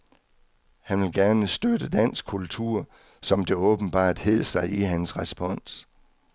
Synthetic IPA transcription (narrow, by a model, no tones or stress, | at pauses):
hænʋe̝lɡ̥æɐnəsd̥ødəd̥æn̰sɡ̥̚kʰult͡sʰuɐ̰ | sɒ̽md̥e̝ɔːb̥n̩b̥ɑ̰̈ːd̥he̝ð̰ˠsɑ̈ɪʔiɦænsʁɛsb̥ɒ̽n̰s